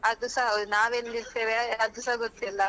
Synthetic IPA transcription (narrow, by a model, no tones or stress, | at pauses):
ɐd̪usaɦnaːʋelːiɾt̪eːʋeɐd̪usaɦɡot̪ːilːɐ